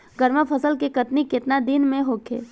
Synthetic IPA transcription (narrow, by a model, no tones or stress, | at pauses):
ɡəɾməpʰəsəlkekɐt̪nikɪt̪nad̪inmẽɦoːkʰḛː